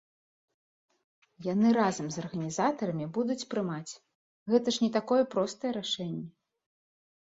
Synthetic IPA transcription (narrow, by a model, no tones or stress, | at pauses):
janɨɾazɐmzɐrɣɐnʲizat̪ɐɾɐmʲibud̪ut͡sʲpɾɨmat͡sʲ | ɣɛt̪ɐʂnʲɛt̪akɔjɛpɾɔst̪ɐjɛɾaʂɛnʲːɛ